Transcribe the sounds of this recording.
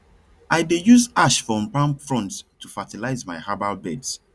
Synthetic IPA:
ʔajdejuzaʃfɹɔ̃mpãmpfɹɔ̃nttʰufatilaɪzmaɪhabalbɛds

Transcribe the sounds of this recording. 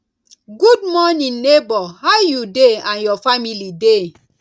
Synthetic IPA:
ɡud̚mɔnĩːebɔhajudeãnjɔfamilide

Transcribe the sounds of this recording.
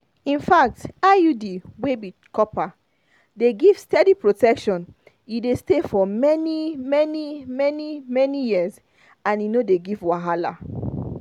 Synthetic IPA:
ĩnfak̚tajudiwebi | kʰɔpa | deɡiv̥stɛdipɹotɛkʃɔ̃n | idestefɔmɛnimɛnimɛnimɛnijiz | ãninodeɡivwaɦala̰

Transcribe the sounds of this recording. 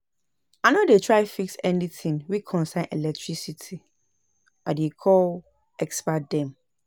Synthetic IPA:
anodetʰɹaɪfiksɛnitʰĩŋwikʰɔ̃nsãɪ̃nʔɛlɛk̚tʰɹisitʰi | adekʰɔl | ɛkspat̚dɛ̃m

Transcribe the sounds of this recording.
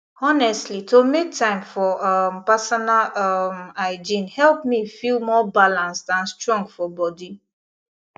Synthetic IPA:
ɔnɛstlitomek̚tãɪ̃mfɔʔampasɔnalamaɪd͡ʒĩnhɛlˠpmifilmɔbalãnsdãnstɹɔ̃ŋɡfɔbɔdi

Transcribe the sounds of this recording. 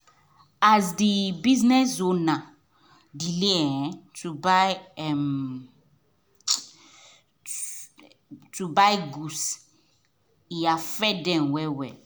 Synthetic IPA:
azdibiznɛsonã | dileɛ̃tʰubajɛm | tʰubajɡus | iafɛdɛ̃nwɛwɛ

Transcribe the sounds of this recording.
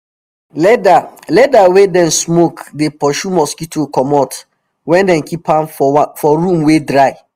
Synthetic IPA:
lɛdalɛdawedɛ̃nsmokdepɔʃumɔskitʰokɔmɔt | wɛ̃ndɛ̃nkʰipãmfɔɹũmwedɹaɪ

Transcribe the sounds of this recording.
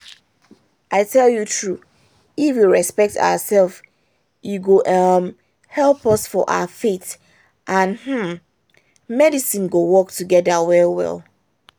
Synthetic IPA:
ʔaɪtʰɛljutʰɹu | ifwiɹɛspɛk̚ta̰ʊəsɛlˠf | juɡoʔʌm | hɛlˠpɔsfɔ̰ʔa̰əfet | ʔãnm̥m̩ | mɛdisĩnɡowɔk̚tʰuɡɛdðəwɛlwɛ̰lˠ

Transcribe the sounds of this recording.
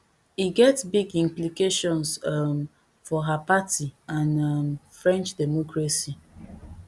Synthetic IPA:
hiɡɛtsbiɡĩmplikeʃɔ̃nsm | fɔɦapatiãnamfɾɛ̃nt͡ʃdɛmɔkɾasi

